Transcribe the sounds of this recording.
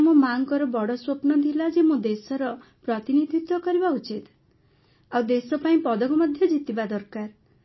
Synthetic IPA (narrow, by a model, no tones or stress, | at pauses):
mũmaŋkɔɾɔbɔɽɔswopnɔd̪ʰʱilad͡ʒemũd̪esɔɾɔ | pɾɔt̪inid̪ʱit̪wɔkɔɾibaut͡ʃit̪ | awd̪esɔpaĩpɔd̪ɔkɔmɔd̪ʱjɔd͡ʒit̪ibad̪ɔɾkaɾ